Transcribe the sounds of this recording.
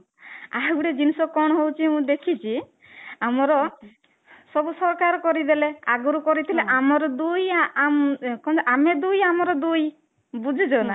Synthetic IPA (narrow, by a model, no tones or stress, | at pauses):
aɦwɽed͡ʒinisɔkɔɽ̃ɔɦowt͡ʃʰiũd̪ekʰit͡ʃʰi | amɔɾɔ | sɔbusɔɾkaɾɔkɔɾid̪eleaɡuɾukɔɾit̪ʰileʔamɔɾɔd̪ujamkɔ̃d͡ʒeʔamed̪ujamɔɾɔd̪uj | bud͡ʒʱid͡ʒɔna